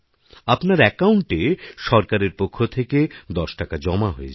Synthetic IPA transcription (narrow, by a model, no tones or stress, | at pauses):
apnaɾɛkauɳʈeʃɔɾkaɾeɾpokʰːot̪ʰeked̪ɔʃʈakad͡ʑɔmaɦoet͡ɕʰ